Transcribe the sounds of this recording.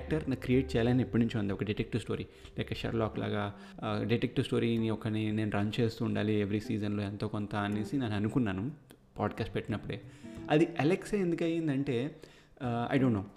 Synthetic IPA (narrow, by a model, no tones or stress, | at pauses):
k̚ʈɐɾnɐkɾieːʈ̚t͡ʃɛːjaːlaniepːuɽnuɲt͡ʃiʋɐnd̪iɔkɐɖiʈek̚ʈiʋsʈo̞ːɾi | lɐːkɐʃɐ̰ɾlaːklʔa̰ːɡaː | ɖiʈek̚ʈiʋsʈo̞ːɾiniɔkɐnine̞ːnuɾɐnt͡ʃe̞ːst̪uːɳɖa̰ːlieʋɐɾisiːd͡ʒɐnlo̞ːent̪o̞ːkont̪ɐnisinɐnɐnukunːaːnu | paːɖkaːsʈpɛʈːinɐpːuɽe̞ːɐd̪iʔɐlekseend̪ukɐjːind̪ɐɳʈe̞ː | ɐ̰jɖoːɳʈːoː